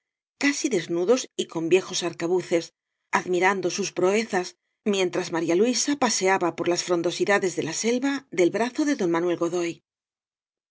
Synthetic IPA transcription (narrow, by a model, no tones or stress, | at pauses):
kasiðe̞znuðo̞siko̞mbje̞xo̞saɾkaβuθe̞s | aðmiɾand̪o̞suspɾo̞e̞θas | mje̞nt̪ɾazmaɾjalwisapase̞aβapo̞ɾlasfɾo̞nd̪o̞siðaðe̞zðe̞lase̞lβaðe̞lβɾaθo̞ðe̞ðo̞nmanwe̞lɣo̞ðo̞j